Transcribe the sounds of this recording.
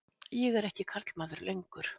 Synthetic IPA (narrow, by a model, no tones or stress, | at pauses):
jɛɣɛɾɛhcɪkʰaɾt̪l̥maːðʏɾlejŋkʏɾ̥